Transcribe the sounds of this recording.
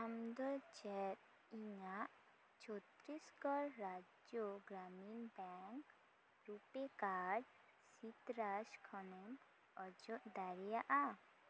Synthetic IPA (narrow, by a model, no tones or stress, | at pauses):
amd̪ɔt͡ʃɛt̪ | iɲaʔ | t͡ʃɔt̪ɾiskɔɾɾad͡ʒjɔɡɾaminbɛŋk | ɾupekaɾ | sit̪ɾad͡ʒkʰɔnɛm | ɔd͡ʒɔʔd̪aɾijaʔa